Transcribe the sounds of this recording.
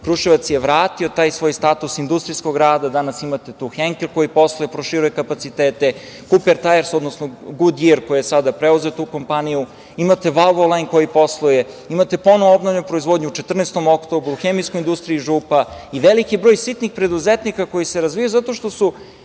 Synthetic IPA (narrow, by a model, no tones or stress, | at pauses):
kɾuʃiʋat̪sjeʋɾaːt̪io̞t̪aːjsʋoːjst̪at̪usind̪ust̪ɾijsko̞ɡɾaːd̪ad̪anasimat̪et̪uːxeŋkelko̞jipo̞slˠojepɾoʃiɾujekapat̪sit̪eːt̪e | kupeɾt̪ajeɾsod̪nosnoɡud̪iɾkojijesad̪apɾeuzet̪uːko̞mpaniju | imat̪e̞ʋaʋolajnko̞jipo̞slˠoje | imat̪e̞po̞noʋoobnovʎopɾoizʋo̞d̪ɲuut͡ʃe̞t̪r̩neːst̪o̞mo̞kt̪o̞bɾuːxemijskojind̪ust̪ɾiiʒuːpaiʋelikibɾojsit̪nixpɾe̞d̪uzet̪nikako̞jiseɾazʋijajuzat̪o̞ʃt̪o̞su